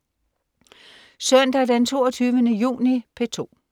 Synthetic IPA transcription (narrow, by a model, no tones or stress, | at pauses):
sœn̰d̥æd̥ent͡sʰo̝̰ːɐt͡sʰyːʋənəjṵːnipʰe̝t͡sʰo̝̰ː